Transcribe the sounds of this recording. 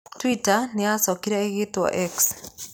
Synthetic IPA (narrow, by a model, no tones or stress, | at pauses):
twitaneasɔkiɾɛeɣetwɔ̰ʔɛks